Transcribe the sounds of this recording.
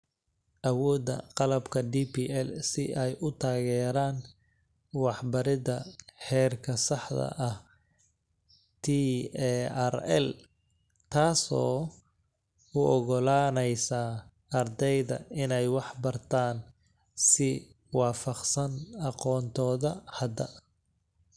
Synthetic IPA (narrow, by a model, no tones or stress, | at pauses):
ʔɐwɔːd̪ɐ̰qɑlɐbkʰɐɖiːpʰiːɛlsɪʔɛjʔʊt̪ʰaːɣɛːɾaːn | wɑħbɐɾɪðɐħɛːrkʰɐsɑħd̪ɐ̰ʔɐh | t̪ʰi | ɛrɛ̰l | t̪ʰaːsɔː | ʊʔɔɣɔlaːnɛjsa | ɐrd̪ɛjðɐ̰ɪnɛjwɑħbɐrt̪ʰaːn | sɪ | wɑːfɐqsɐnɑqɔːnt̪ʰɔːðɐhɐd̪ɐ